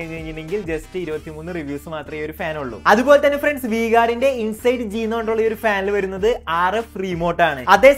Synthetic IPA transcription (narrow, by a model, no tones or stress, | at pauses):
ɐɻiɲːeɻiɲːunːeŋɡild͡ʑe̞stɨiɾubɐt̪ːimuːnːɨriʋjuːsɨmaːt̪rɐmejoɾufaːnuɭːṵɐðubo̞ːlet̪ɐnːefreɳɖsʋiːɣaːɾinde̞insɐjɖɨd͡ʑijunːɐʋoɳʈːuɭːɐo̞ɾufaːnɐlʋɐɾunːɐðɨaːrefriːmo̞ːʈːaːɳɨɐd̪ːe̞ː